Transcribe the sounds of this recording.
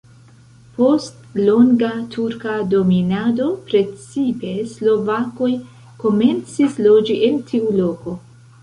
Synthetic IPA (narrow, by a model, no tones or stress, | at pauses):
po̞st | lo̞ŋɡatʰuɾkado̞minado̞pɾe̞t͡sipe̞slo̞vako̞j | ko̞me̞nt͡sislo̞d͡ʒiʔe̞ntʰiulo̞ko̞